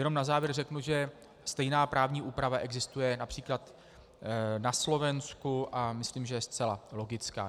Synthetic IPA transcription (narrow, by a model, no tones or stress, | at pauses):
jɛnomnazaːvjɛɾrɛknuʒɛ | st̪ɛjnaːpɾʔaːvɲiːʔuːpɾavaʔɛɡzɪst̪ujɛnapr̝̥iːklat̪ | naslo̞vɛnskuʔamɪsliːmʒɛjɛst͡sɛlalo̞ɡɪt͡ska̰ː